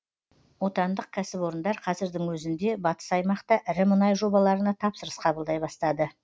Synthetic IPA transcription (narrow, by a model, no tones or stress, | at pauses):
wo̞t̪ɑnd̪əq̚kʲʰæsɪpwo̞ɾənd̪ɑɾqʰɑzɪɾd̪ɪŋwɵzɪnd̪e̞bɑt̪ə̥sɑjmɑqt̪ɑʔɪɾɪmənɑjʒo̞bɑlˠɑɾənɑt̪ʰɑpsəɾəsqʰɑbəlˠd̪ɑjbɑst̪ɑd̪ə